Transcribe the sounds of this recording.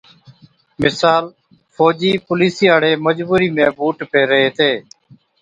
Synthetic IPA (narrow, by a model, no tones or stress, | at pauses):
mɪsaːl | fʰoːd͡ʒiːpʊliːsiːaːɽeːməd͡ʒbuːɾiːmẽːbuːʈpeːɾəɦeːt̪eː